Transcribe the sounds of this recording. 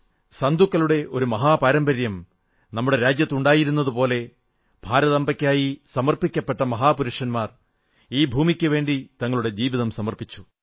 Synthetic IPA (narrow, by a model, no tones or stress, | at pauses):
sɐnd̪ukːɐluɽe̞ʔo̞ɾumɐɦaːpaːɾɐmbɐɾjɐm | nɐmːuɽe̞ɾaːd͡ʑjɐt̪ːuɳɖaːjiɾunːɐðupo̞ːle̞ | b̥ʱaːɾɐðɐmbɐkʲːaːjisɐmɐrpikʲːɐpːe̞ʈːɐmɐɦaːpuɾuʂɐnmaːr | iːbʱuːmikʲːɨʋe̞ːɳɖit̪ɐŋːɐɭuɽe̞d͡ʑiːʋiðɐmsɐmɐrpit͡ɕːu̥